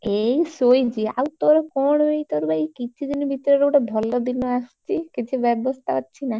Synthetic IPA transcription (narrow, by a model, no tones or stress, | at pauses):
ejsojd͡ʑia̰wt̪oɾɔkɔɽ̃ejt̪ɔɾbaejkit͡ʃʰid̪inibʱit̪ɔɾɔɾeuʈebʱɔlːod̪inːɔast͡ʃʰikit͡ʃʰibɛbost̪ʰaɦɔtːt͡ʃʰina